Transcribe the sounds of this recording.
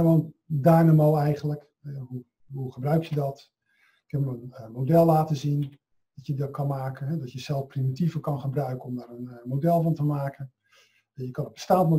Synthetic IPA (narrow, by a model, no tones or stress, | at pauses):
mɔləndaːnamowɛjχənlək | ɛɦu | ɦuχəbrœɥk̚tjədɔt | ɪkɛpməənmowdɛlˠːaːtəzin | d̥ɔtjədɔt̚kʰɑnmaːkənɦɛdɔtjəsɛlˠfprimitivərkɑnχəbrœɥkəɔmdaːrənmowdɛlˠvɑntəmaːkən | əjəkɑnətb̥ə̥staːntmo